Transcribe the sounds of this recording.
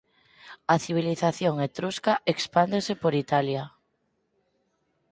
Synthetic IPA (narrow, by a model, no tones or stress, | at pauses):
aθiβ̞iliθaθjoŋet̪ɾuskaʔekspand̪esepoɾit̪alja